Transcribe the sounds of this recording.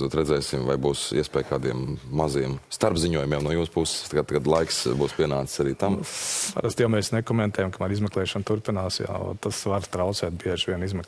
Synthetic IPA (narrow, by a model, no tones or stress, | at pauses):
zuɔt̪ɾɛd̪zɛjsimva̰jbuːsiɛspɛːjkaːd̪iɛmːaziɛmst̪aɾbziɲuɔjumiɛmnuɔjuːspussɡaɡad̪lˠajksbuːspʲiɛnaːt̪saɾiːt̪ampa̰ɾast̪jawmɛːsnekɔmɛnt̪ɛːjamkamaɾizmɛklˠɛːʃɐnt̪uɾpinaːsja̰ːt̪asʋaɾt̪ɾawt̪sɛːt̪̚biɛʒʋʲiɛnizmɛk